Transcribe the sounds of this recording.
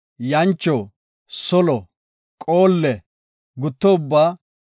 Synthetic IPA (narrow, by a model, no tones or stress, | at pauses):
jɐnt͡ʃːɔ | sɔlɔ | kʼoːlːɛ | ɡʊt̪ːɔʊbːaː